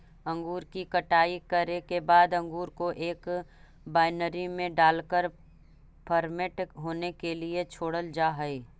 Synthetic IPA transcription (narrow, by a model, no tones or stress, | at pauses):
ə̃ŋɡuːɾkikəʈaːikəɾekebaːd̪ə̃ŋɡuːɾkoʔeːk | baːɪnəɾimẽɖaːlkəɾ | pʰəɾmeʈɦoːnekeliet͡ʃʰoːɽəld͡ʒaːɦɛi